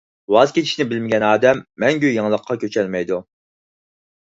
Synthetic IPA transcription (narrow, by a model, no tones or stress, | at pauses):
wɑzkʲet͡ʃʰiʃnɪbɪlmɪɡʲɛnɑːd̪ɛmːɛŋɡʲyjɨŋlˠəqʰːɑkʲʰøt͡ʃʰɛlmɛjd̪u